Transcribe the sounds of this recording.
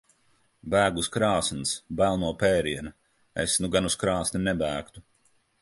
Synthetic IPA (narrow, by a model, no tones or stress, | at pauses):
bæːɡuskɾaːsnsbælˠnuɔpɛːɾiɛna | ḛsnuɡanuskɾaːsninɛbæːkt̪u